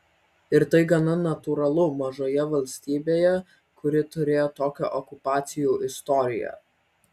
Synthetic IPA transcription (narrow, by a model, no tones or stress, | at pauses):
ɪɾt̪ɐɪɡɐnɐnɐt̪uɾɐlˠʊmɐʒoːjɛʋɐlʲsʲt̪ʲiːbʲeːjɛ | kʊɾʲɪt̪ʊɾʲeːjoːt̪oːkʲo̰ːʔɔkʊpɑːt̪sʲɪjuːʔɪst̪ɔɾʲɪ̰jɛ̰